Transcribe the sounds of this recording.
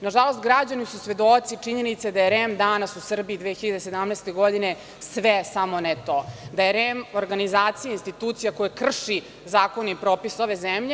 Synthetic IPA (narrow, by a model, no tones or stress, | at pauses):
naʒalˠo̞st̪ɡɾad͡ʑanisusʋe̞d̪ot̪sit͡ʂiɲenit̪sad̪ajeɾemd̪anasusr̩biid̪ʋeːçiʎad̪ese̞d̪amnɛst̪eɡo̞d̪ine | sʋesamonet̪od̪ajeɾemoɾɡanizaːt̪sijainst̪it̪uːt̪sijakojekr̩ʂi | zaːko̞nipɾoːpiso̞ʋe̞zɛmʎe